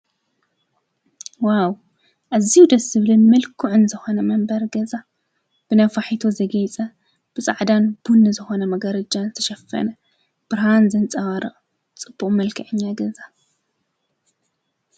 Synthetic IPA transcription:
waw | ʔazijud̪ɐsɨβlɨnmɨlkʰuʕɨnzɨxo̞nɐmɐmbɐɾɡɐza | b̥ɨnɐfaħit̪ʰozɐɡɐjt͡sʼɐ | b̥ɨt͡sʼaʕd̪anb̥unːɨzɨxo̞nɐmɐɡɐɾɐd͡ʒanzɨt̪ʰɐ̥ʃɐfɐ̰nɐ | b̥ɨɾhanzɨnt͡sʼɐwaɾɐʔʼ | t͡sʼɨb̥ːuχʼmɐlkʰɐʕɨɲːaɡɐza

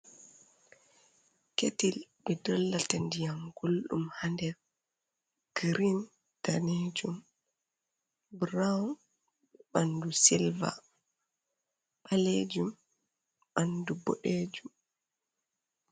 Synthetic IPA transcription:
ketilɓɛdɔlːatandijamɡ̥ulɗumhandɛ | ɡ̥ɾin | taned͡ʒum | bɾaun | ɛɓandusilva̰ | ɓ̥aled͡ʒum | ɓandubɔ̰ɗeːd͡ʒum

